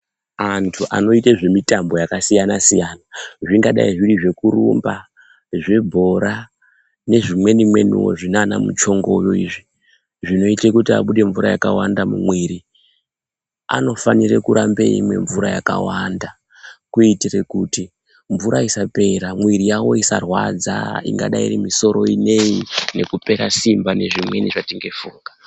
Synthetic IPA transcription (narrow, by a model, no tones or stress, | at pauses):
antʰuʔa̰no̞iteʐe̞mitambo̞jakasijanasijanaʐiŋɡaɗa̰iʐiriʐe̞kuɾṵmba | ʐe̞bʱo̞ɾa | ne̞ʐimwe̞nimwe̞nṵwo̞̰ʐinana̰mṵt͡ʃo̞ŋɡoujo̞ḭʐi | ʐino̞itekutia̰ɓuɗe̞ɱvuɾajakawandamṵmwiɾi | a̰no̞fanirekuɾambe̞̰ḭmwe̞̰ɱvuɾajaka̰wanda | kuitire̞kuti | ɱvuɾaisape̞ɾamwiɾijawo̞isa̰rwad͡za̰ḭŋɡa̰ɗaḭrimiso̞ɾo̞ine̞ine̞kupe̞ɾasimbane̞ʐimwe̞niʐatiŋɡe̞fuːŋɡa